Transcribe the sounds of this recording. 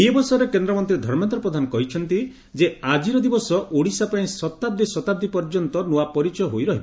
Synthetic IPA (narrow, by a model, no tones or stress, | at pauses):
ibɔsɔɾekend̪ɾɔmɔnt̪ɾid̪ʱɔɾmant̪ɾɔpɾɔd̪ʱanɔkɔɦit͡ʃʰɔnt̪i | d͡ʒead͡ʒiɾɔd̪ibɔsɔʔoɽisapaĩsɔt̪ab̚d̪ʱisɔt̪ab̚d̪ipɔɾd͡ʒɔnt̪ɔnuapɔɾit͡ʃɔjɔɦojɾɔɦibɔ